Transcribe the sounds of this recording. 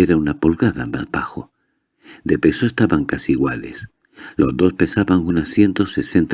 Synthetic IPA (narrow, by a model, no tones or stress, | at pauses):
eɾaunapolɣaða̰mazbaxo̞ | d̪e̞pe̞so̞e̞st̪aβaŋkasiːɣwales | lo̞zd̪o̞spe̞saβaŋunaθje̞nt̪o̞se̞se̞nt̪